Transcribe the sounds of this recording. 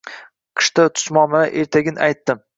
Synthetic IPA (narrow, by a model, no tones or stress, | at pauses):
qʰɨ̥ʃt̪at̪ʰʊ̥ʃmɒmaɾaʔeɾt̪ʰaɡʲɪna̰jt̪ːɪm